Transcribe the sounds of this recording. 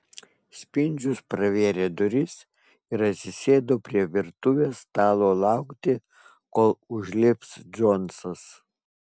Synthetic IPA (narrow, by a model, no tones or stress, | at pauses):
sʲpʲɪnʲd͡ʒʲʊspɾɐʋʲeːɾʲeːd̪ʊɾʲɪs | ɪɾɐt̪ʲsʲɪsʲeːd̪oːpʲɾʲiɛʋʲɪɾt̪ʊʋʲeːst̪ɑːlˠoːlˠɑˑʊkt̪ʲɪ | koːlˠʊʒʲlʲɪpsd͡ʒɔnsɐs